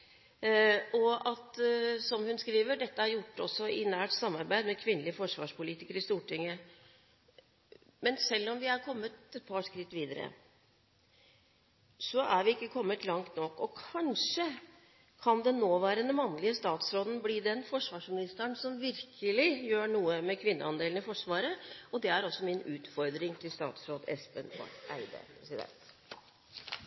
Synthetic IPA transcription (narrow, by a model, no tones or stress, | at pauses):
ɔɑt̪sɔmhʉnskɾiːʋəɖɛt̪ːəæɾjʊʈːɔ̰sːɔɪnæːʈsɑmːɑɾbæɪd̪mɛkʰʋɪnːəlɪəfɔʂʋɑ̰ːʂpʊliːt̪ɪkəɾɪst̪uːʈɪŋːə | mɛnsɛlːɔmʋɪæɾkʰɔmːət̪ɛt̪̚pʰɑːʂkɾɪt̪ːʋiːd̪əɾə̰ | sɔʔæɾʋɪɪkːəkʰɔmːət̪lɑŋt̪nɔkːɔkʰɑnʂə | kʰɑnd̪ɛnːoːʋæːɾənəmɑnːlɪəst̪ɑːt̪sɾoːd̪n̩bliːd̪ɛnfɔʂʋɑːʂmɪnɪst̪əɳsɔmʋɪɾkʰəlɪjøːɳuːəmɛkʰʋɪnːə̰ɑnd̪eːln̩ɪfɔʂʋɑːɾəɔd̪ɛæɾɔsːɔmɪnʉːt̪fɔɾd̪ɾɪŋt̪ʰɪlst̪ɑ̰ːt̪sɾoːd̪ɛspɛnfɑ̰æɪd̪ə̰pʰɾɛsɪd̪ɛ̰nt̪